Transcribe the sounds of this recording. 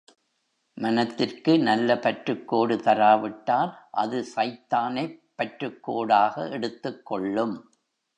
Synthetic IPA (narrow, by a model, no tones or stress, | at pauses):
mɐnɐt̪ːɪrkɯnɐlːɐpɐʈrɯkːoːɽɯt̪ɐɾaːʋɪʈːaːɾʔɐðɯsɐɪt̪ːaːnɐɪpːɐʈrɯkːoːɽaːɣɐʔɛɽɯt̪ːɯkːɔɭːɯm